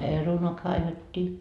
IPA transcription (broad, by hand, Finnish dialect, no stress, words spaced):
perunoɑ kɑiʋetʲːiː